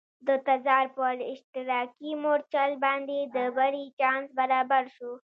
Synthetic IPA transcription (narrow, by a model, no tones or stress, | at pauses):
d̪ət̪azɑːɾpəlɪʃt̪ɪɾɑːkimoɾt͡ʃalbɑnd̪ed̪əbaɾit͡ʃɑnsbaɾaːbaɾʃu